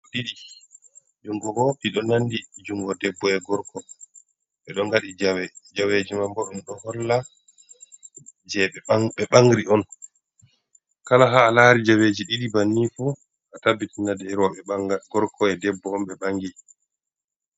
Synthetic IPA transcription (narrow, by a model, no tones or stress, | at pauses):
ɗiɗi | d͡ʒuŋɡɔɡɔpiɗɔnanːdid͡ʒuŋɡɔdɛbːɔɛɡɔɾkɔ | ɓɛɗɔŋɡaɗid͡ʒawɛd͡ʒaweːd͡ʒimambɔɗɛnɗɔhɔlːa | d͡ʒɛɓɛɓɛɓaŋɡɾiɔn | kalaɦaːlaɾid͡ʒaweːd͡ʒiɗiɗibanːifu | ʔatabːitinadɛɾaɛɡɔɾkʰɔɛdɛbːɔɔmɓɛɓaŋɡi